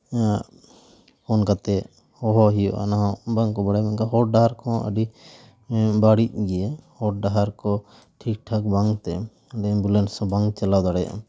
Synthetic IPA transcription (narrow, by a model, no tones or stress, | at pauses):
hɔnkat̪ɛ | hɔɦɔɦijɔ̰ʔa̰naɦɔ̃baŋkɔbaɽajmankaɦɔɖaɦaɾkʰɔ̃ə̰ɖi | baɽic̚ɡɛjɛhɔʈ̚ɖaɦaɾkɔ | ʈʰik̚ʈʰakbaŋt̪ɛ | ɖɛbulɛnsɔbaŋt͡ʃalawd̪aɽaja̰